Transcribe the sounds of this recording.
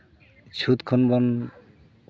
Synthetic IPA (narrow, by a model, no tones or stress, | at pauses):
t͡ʃʰut̪kʰɔnbɔn